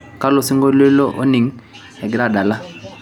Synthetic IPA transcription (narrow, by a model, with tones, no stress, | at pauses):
ka˦lo˨si˦ŋɡo˦le˦lɔ˦ʔo˦ni˨ŋ̩˦ | ɛ˨ɡɪ˨ɾa˦˨da˨la˦